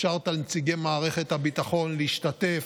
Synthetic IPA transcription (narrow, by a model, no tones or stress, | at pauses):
ʃaʁt̪almet͡siɡemaːʁe̞χet̪habit̪aχo̞nliiʃtat̪e̞f